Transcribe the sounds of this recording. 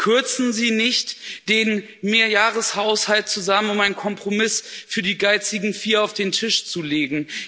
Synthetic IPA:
kʰʏɐt͡sn̩ziːnɪçtd̥eːn | meːɐjaːʁəshaʊshalt̚t͡suzamənʊmaɪnkʰɔmpʁ̥omɪsfyːɐdiːɡaɪt͡sɪɡŋ̩fiːɐaʊfd̥eːntʰɪʃt͡suleːɡŋ̩

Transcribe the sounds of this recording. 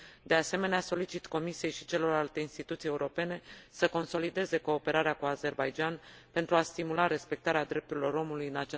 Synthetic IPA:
d̪e̞ase̞me̞neaso̞lit͡ʃit̪ko̞misije̞jʃi̥t͡ʃe̞lo̞ralt̪e̞inst̪it̪ut̪sije̞uɾo̞pe̞ne̞səko̞nso̞lid̪e̞ze̞ko̞ːpe̞ɾaɾeakuaze̞rbajd͡ʒanpe̞nt̪ɾuast̪imulaɾe̞spe̞k̚t̪aɾead̪ɾe̞p̚t̪uɾilo̞ɾo̞mulujɨnat͡ʃa

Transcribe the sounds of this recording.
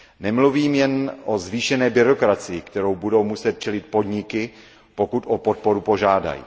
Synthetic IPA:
nɛmluviːmjɛnʔo̞zviːʃɛnɛːbɪɾo̞kɾat͡sɪjɪkt̪ɛɾo̞wbudo̞wmusɛt̪̚t͡ʃɛlɪt̪̚po̞dɲɪkɪ | po̞kut̪ʔopo̞t̪̚po̞ɾupo̞ʒaːda̰jḭː

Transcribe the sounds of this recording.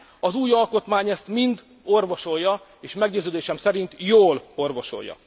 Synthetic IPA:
ɒzuːjɒlko̞t̪maːɲɛst̪mind̪ | o̞rvo̞ʃo̞jːɒ | eːʃmɛɡɟøːzøːd̪eːʃɛmsɛɾint̪joːlo̞rvo̞ʃo̞̰jːɒ̰

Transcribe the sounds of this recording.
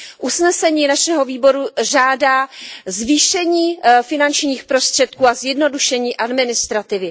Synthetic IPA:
ʔusnɛsɛɲiːnaʃɛɦo̞viːbo̞ɾuʒaːdaːzviːʃɛɲiːfɪnant͡ʃɲiːxpɾo̞st̪r̥ɛt̪̚kuːazjɛdno̞duʃɛɲiːʔadmɪnɪst̪ɾat̪ɪvɪ

